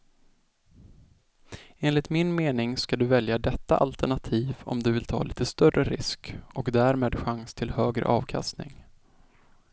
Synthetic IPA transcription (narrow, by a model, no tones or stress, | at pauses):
eːnlɪt̪mɪnmeːnɪŋskad̪ɵvɛljad̪ɛt̪ːaʔalt̪ɛɳat̪ʰiːvɔ̰md̪ɵvɪlt̪ʰɑ̰ːliːt̪əst̪œrːəɾɪ̰skɔkd̪æːɾmeːd̪ɧaŋst̪ʰɪlhøːɡɾə̰ʔɑːvkʰa̰st̪nɪ̰ŋ